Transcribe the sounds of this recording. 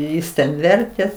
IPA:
ˈjɪs tʲɛn ˈʋʲɛrʲtʲeː

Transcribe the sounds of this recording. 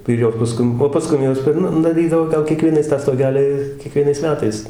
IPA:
ɪr ˈjoːs pɐˈskʊm oː pɐˈskʊm ˈjoːs pʲɛr ˈnʊ dɐˈrʲiːdɐʋoː ˈɡɐlˠ kʲiɛˈkʋʲiɛnɐɪs tɑː stoːˈɡʲæːlʲɪ kʲiɛˈkʋʲiɛnɐɪs ˈmʲæːtɐɪs

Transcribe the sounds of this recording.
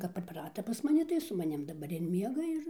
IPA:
kɐp pʲrʲɪpˈrɑːtɐ pɐs mɐˈnʲɪ tɐɪ sʊ mɐˈnʲɪm dɐˈbɐr ɪr ˈmʲiɛɡɐ ɪr

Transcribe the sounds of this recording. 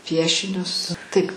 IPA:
ˈpʲiɛʃʲɪnʲʊs tɨk

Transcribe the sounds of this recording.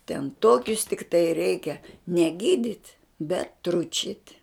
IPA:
tʲɛn ˈtoːkʲʊs tʲɪkˈtɐɪ ˈrʲɛɪkʲɛ nʲɛ ˈɡʲiːdʲɪtʲ bʲɛt ˈtrʊt͡ʃʲɪtʲ

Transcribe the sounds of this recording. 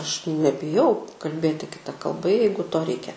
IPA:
ˈɐʃ nʲɛbʲɪˈjɛʊ kɐlʲˈbʲeːtʲɪ kʲɪˈtɐ kɐlˠˈbɐ ˈjɛɪɡʊ ˈtoː ˈrʲɛɪkʲɛ

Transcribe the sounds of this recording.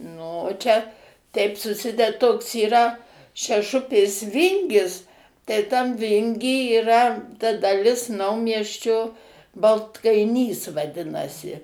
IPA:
nʊ oː ˈt͡ʃʲɛ ˈtʲɛɪp sʊˈsʲɪdʲɛt ˈtoːks iːˈrɐ ʃʲɛˈʃʊpʲeːs ˈʋʲɪŋʲɡʲɪs tɐɪ tɐm ˈʋʲɪŋʲɡʲiː iːˈrɐ tɐ dɐˈlʲɪs ˈnɐʊmʲiɛsʲt͡ʃʲoː bɐlˠtkɐɪˈnʲiːs ʋɐˈdʲɪnɐsʲɪ

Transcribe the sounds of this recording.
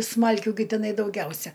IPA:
ˈsmɐlʲkʲuː ɡʲɪ tʲɪˈnɐɪ dɐʊˈɡʲɛʊsʲɛ

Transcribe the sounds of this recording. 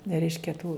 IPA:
nʲɛ ˈrʲɛɪʃʲkʲɛ tuː

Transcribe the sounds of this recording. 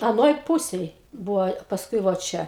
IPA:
ɐˈnoːj ˈpuːsʲeːj ˈbuːʋoː pɐsˈkʊɪ ʋoː ˈt͡ʃʲɛ

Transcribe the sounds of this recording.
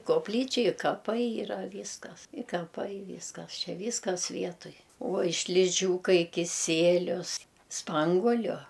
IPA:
koːpʲˈlʲiːt͡ʃʲɛ ɪ kɐˈpɐɪ iːˈrɐ ˈʋʲiːskɐs ɪ kɐˈpɐɪ ˈʋʲiːskɐs ˈt͡ʃʲɛ ˈʋʲiːskɐs ˈʋʲiɛtʊj uɔj ʃʲlʲɪˈʒʲuːkɐɪ kʲɪˈsʲiɛlʲʊs ˈspɐŋɡuɔlʲʊ

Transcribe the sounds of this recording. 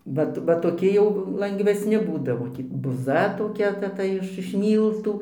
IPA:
ˈʋɐt ʋɐ toːˈkʲɪ jɛʊ lˠɐŋɡʋʲɛsʲˈnʲɪ ˈbuːdɐʋoː ˈtʲiː bʊˈzɐ toːˈkʲɛ ˈtɐ ˈtɐ ɪʃ ɪʃ ˈmʲiːlˠtuː

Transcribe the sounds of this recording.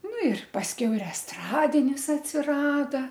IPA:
ˈnʊ ɪr pɐsʲˈkʲɛʊ ɪr ɛsˈtrɑːdʲɪnʲɪs ɐtʲsʲɪˈrɑːdɐ

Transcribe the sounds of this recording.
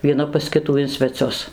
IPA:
ʋʲiɛˈnɐ pɐs ˈkʲɪtuː ɪn sʲʋʲɛˈt͡sʲʊs

